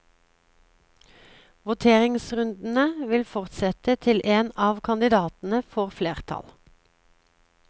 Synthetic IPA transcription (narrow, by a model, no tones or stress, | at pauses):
ʋʊt̪ʰeːʁɪŋsʁʉnd̪n̩əʋɪlfɔʁt̪sɛt̪ət̪ʰɪlʔeːnɑːʋkʰɑnd̪ɪd̪ɑːt̪n̩əfɔʁfleːʁt̪ʰɑ̰l